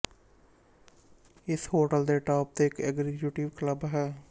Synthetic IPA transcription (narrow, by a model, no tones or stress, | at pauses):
ɪsɦoːʈəld̪eːʈɔːp̚t̪eːɪkɛɡzɪkjuʈɪʋkləbɦɛː